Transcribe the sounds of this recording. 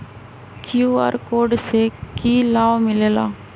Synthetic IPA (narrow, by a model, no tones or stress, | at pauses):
kjuːa̰ːɾkoːɖsekiːlaːʋmɪleːla̰ː